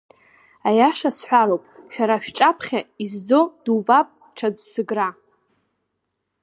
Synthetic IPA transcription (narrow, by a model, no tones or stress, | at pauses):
ajaʂasħʷᶣaɾowpʼʃᶣaɾaʃᶣʈ͡ʂʼapʰχʲaizd͡zo̞d̥uvʼapʼ | ʈ͡ʂʰad͡zsɨɡra